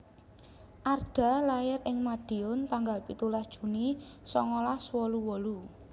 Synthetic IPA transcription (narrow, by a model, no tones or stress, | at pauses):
ʔarɖ̥a̤lajɪrɪŋmad̪̥i̤ɔnt̪aŋɡalpit̪ulasd̥ʒ̥ṳnisɔŋolahswɔluwɔlu